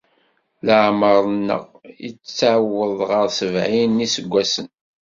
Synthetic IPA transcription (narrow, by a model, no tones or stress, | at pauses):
ləʕməɾˤnːə̰ʁjə̰t͡st͡sːʕəwːəðˤʁəɾˤsəvʕinːisəɡʷːæsən